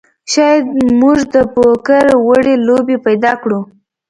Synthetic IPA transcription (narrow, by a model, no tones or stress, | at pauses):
ʃɑjad̪muʒd̪əpokaɾwaɽelobepajd̪ɑkɽu